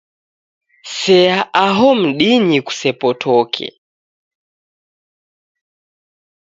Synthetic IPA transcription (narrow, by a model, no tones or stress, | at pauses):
sɛaʔaɦɔm̩ɗiniku̥sɛpɔtʰɔkʰɛ̰